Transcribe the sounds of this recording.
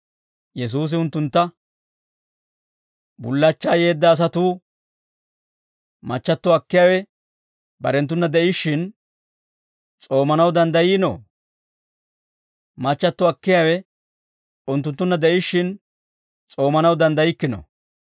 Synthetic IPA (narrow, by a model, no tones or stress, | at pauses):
jɛs̬uːs̬ɪʊnt̪ːʊnt̪ːɐ | bʊ̰lːɐt͡ʃːaːjeːd̪ːɐːs̬ɐt̪uː | mɐt͡ʃːɐt̪ːɔɐkːɪjaːwɛ | bɐ̰ɾɛnt̪̬ːʊnːɐd̪ɛʔɪʃːɪn | t͡sʼo̞ːmɐnɐwd̪ɐnd̪ɐjiːno̰ | mɐt͡ʃːɐt̪ːɔɐkːɪjaːwɛ | ʊnt̪ːʊnt̪ːʊnːɐd̪ɛʔɪʃːɪn | t͡sʼo̞ːmɐnɐwd̪ɐnd̪ɐjɪkːɪno̰